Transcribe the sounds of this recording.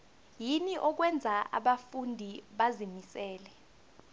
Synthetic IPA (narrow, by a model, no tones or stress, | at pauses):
jiniʔɔk̬wɛnd͡zʱaʔa̰ɓafundʱiɓazimisɛːlɛ